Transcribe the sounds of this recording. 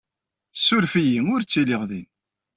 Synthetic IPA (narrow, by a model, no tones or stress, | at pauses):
sːʊɾfijiŋʊɾt͡sːiliʁðin